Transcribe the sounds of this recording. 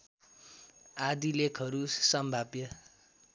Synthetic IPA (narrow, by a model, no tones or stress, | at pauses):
ad̪ilekʰɦʌɾusʌmbʱabjʌ